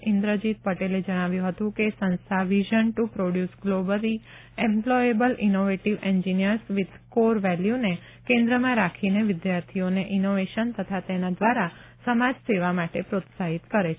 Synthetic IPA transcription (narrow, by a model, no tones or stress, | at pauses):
ɪnd̪ɾəd͡ʒit̪̚pəʈeled͡ʒəɽ̃aʋjũɦət̪ũkesə̃nst̪ʰaʋiʒənʈupɾoɖjusɡlobəli | ɛ̃mplɔjebəlinoʋeʈiʋɛ̃ɲd͡ʒinijəɾsʋɪd̪koɾʋɛljune | kẽnd̪ɾəmãɾakʰineʋɪd̪jaɾt̪ʰioneʔinoʋeʃənt̪ət̪ʰat̪enad̪ʋaɾa | səmad͡ʒseʋamaʈepɾot̪saɦit̪kəɾet͡ʃʰe